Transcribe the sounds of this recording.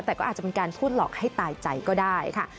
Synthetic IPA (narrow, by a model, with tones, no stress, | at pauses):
t̪ɛː˨˩kɔː˥ʔa˨˩t͡ɕa˨˩pe˧nkaː˧npʰuː˥˩t̪̚lɔː˨˩k̚ha˥˩jt̪aː˧jt͡ɕa˧jkɔː˥˩daː˥˩jkʰa˥˩